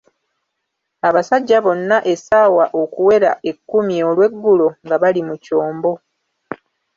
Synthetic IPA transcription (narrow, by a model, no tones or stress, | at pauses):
aβasaɟːaβo̞nːaʔe̞saːwaʔo̞kuwe̞ɾa̰ʔe̞kːumiolwe̞ɡːuloŋɡaβalimuco̞ːmbo̞